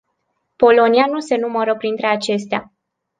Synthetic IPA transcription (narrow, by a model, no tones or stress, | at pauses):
po̞lo̞nianuse̞numəɾəpɾint̪ɾe̞at͡ʃe̞st̪ea̰